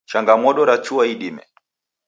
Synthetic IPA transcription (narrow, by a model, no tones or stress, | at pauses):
t͡ʃaŋɡamɔɗɔɾat͡ʃuaiɗimɛ̰